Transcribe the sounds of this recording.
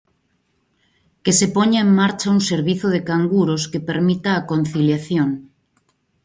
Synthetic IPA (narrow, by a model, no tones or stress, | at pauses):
kesepoɲaeŋmaɾt͡ʃauŋseɾβiθoðekaŋɡuɾoskepeɾmit̪aːkon̟θiljaθjoŋ